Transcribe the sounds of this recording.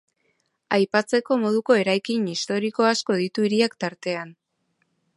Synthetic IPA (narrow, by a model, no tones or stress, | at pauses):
ajpat͡se̞ko̞mo̞ð̞uko̞e̞ɾajkinist̪o̞ɾiko̞asko̞ðit̪uiɾiakt̪aɾt̪e̞an